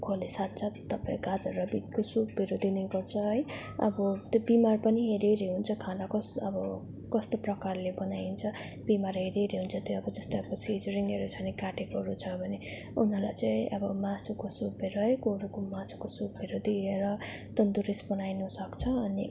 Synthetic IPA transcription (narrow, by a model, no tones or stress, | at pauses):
kʰolesat̪̚t͡sʰʌt̪ʌpaĩɡad͡zʌɾʌbit̪kosubbiɾod̪inejɡʌrt͡sʰʌɦʌjʌ̰bʌt̪jobimarpʌniɦeɾeɾiɦunt͡sʰʌkʰanakʌsʌbʌ | kʌst̪oprʌkarlebʌnajnt͡sʰʌ | bimarɦeɾeɾiɦunt͡sʰʌt̪joʌbʌd͡zʌst̪ajʌbʌsid͡zʌɾiŋɡeɾot͡sʰʌnikaʈekoɾut͡sʰʌbʱʌne | unɦʌlajt͡saĩʔʌbʌmasukosubeɾoɦʌjkoɾukomasu̥kosubiɾod̪ieɾʌt̪ʌnd̪uɾisbʌnajnʌsʌkt͡sʰʌːni